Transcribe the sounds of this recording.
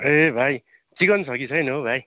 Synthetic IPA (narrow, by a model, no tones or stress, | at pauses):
ebʱaj | t͡sikʌnsʰʌkit͡sʰʌjnobʱaj